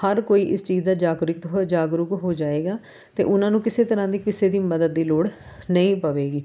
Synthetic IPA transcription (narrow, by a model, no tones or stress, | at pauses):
həɾkoːiːʔɪst͡ʃiːzd̪aːd͡ʒaːɡɾɪkt̪ɦd͡ʒaːɡɾʊkɦoːd͡ʒaːeːɡaː | t̪ḛːʔʊnãːnũːkɪseːt̪əɾãːd̪iːkɪseːd̪iːməd̪əd̪̚ːiːloːɽ | nəĩːpəʋeːɡiː